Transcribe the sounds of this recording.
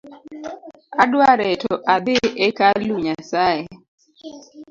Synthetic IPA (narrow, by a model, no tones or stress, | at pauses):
adwaɾɛtɔʔad̪ɪʔekaluɲasaje